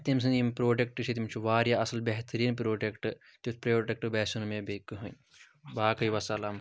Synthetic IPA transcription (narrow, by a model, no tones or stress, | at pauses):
t̪ims̬ɨ̃nimpɾoːʈʲek̚ʈɨʃʰit̪̬imt͡ʃʰuʋaːɾjaʔɐsɐlbeɦt̪ɐɾiːnpɾoːʈekʈɨ | t̪ipɾɐjoːʈek̚ʈɨbesunmebekːɨɦun | baːkɐjʋɐsɐlaːm